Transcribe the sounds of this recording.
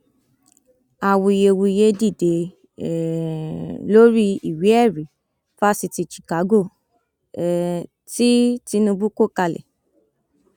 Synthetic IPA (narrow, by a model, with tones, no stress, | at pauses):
a˨wu˨˧˨je˧wu˧i˧je˧˦di˦˨de˧˨ | lo˦ɾi˦i˨wi˨˦ɛ˦˨ɾi˨˦ | fa˦si˧ti˧t͡ʃi̥˨ka˨˦ɡo˦˨ | ti˦ti˧˦nũ˧bu˦ko˦˨ka˧lɛ̰˨